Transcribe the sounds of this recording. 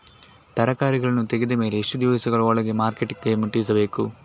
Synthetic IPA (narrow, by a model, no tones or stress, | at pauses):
t̪ɐɾɐkaːɾiɡɐɭɐnːut̪eɡed̪ɐme̞ːleːʂʈud̪juːisɐɡɐɭɐɔɭɐɡe̞maːɾkeʈːikɡemuʈːiisɐbe̞ːku